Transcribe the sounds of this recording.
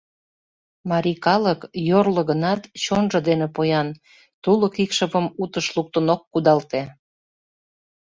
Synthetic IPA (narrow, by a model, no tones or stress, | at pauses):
mɑɾikɑləkjorləɣənɑt̪t͡ɕonʒŏd̪enepojɑn | t̪uləkikʃəβəmut̪əʃluk̚t̪ənokːud̪ɑlt̪e